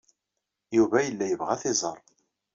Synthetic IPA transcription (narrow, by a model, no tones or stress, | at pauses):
juvæjəlːæjəvʁæθɪzˤəɾˤ